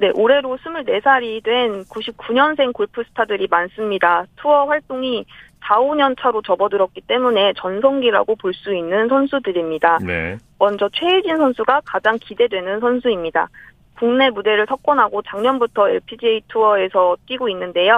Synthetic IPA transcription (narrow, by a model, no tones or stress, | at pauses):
ne̞ʔoɾe̞ɾosʰɯmuɭne̞sʰaɾidwe̞nkuɕʰip̚k͈uɲʌnsʰe̞ŋkoɭpʰɯsʰɯ̥tʰadɯɾimans͈ɯmɲidatʰuʌɸwaɭt͈oŋisaoɲʌnt͡ɕʰaɾot͡ɕʌbʌdɯɾʌk͈̚it͈e̞mune̞t͡ɕʌnsʰʌŋɡiɾa̰ɡopoɭs͈uinːɯnsʰʌnsʰudɯɾimɲidan̰mʌnd͡ʑʌt͡ɕʰwe̞id͡ʑinsʰʌnsʰuɡakad͡ʑaŋkide̞dwe̞nɯnsʰʌnsʰuimɲida̰ | kuŋne̞mude̞ɾɯɭsʰʌk̚k͈ʌnɦaɡot͡ɕaŋɲʌnbutʰʌe̞̰ɭpʰid͡ʑiitʰuʌe̞sʰʌt͈ɥiɡoinːɯnde̞jo